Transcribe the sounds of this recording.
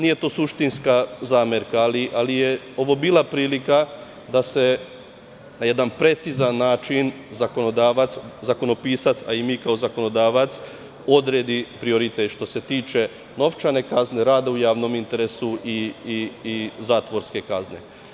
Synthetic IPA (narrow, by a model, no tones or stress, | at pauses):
niːje̞t̪o̞ːsuʃt̪inskazaːmeɾkaːliʔalije | o̞ʋo̞biːlˠapɾiːlika | d̪ase̞ | naje̞d̪anpɾe̞t̪sizanːaːt͡ʃin | zako̞nod̪aːʋat̪szako̞no̞piːsat̪sa̰imiːkao̞zako̞no̞d̪aːʋat̪s | o̞d̪ɾeːd̪ipɾio̞ɾit̪eʃt̪o̞se̞t̪iːt͡ʃe̞ | no̞ʋt͡ʃane̞kazne̞ɾaːd̪aujaːʋno̞mint̪e̞ɾesuʔiː | zaːt̪ʋo̞ɾske̞kazne̞̰